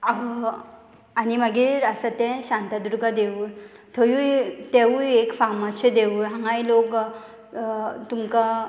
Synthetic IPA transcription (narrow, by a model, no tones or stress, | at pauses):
aɦə | animəɡiːɾəsat̪ɛ̃ɕant̪ad̪uɾɡʱad̪eʋuː | t̪ʰəjut̪eʋujekfamaɕed̪eʋuɭɦãŋɡajlok | t̪umka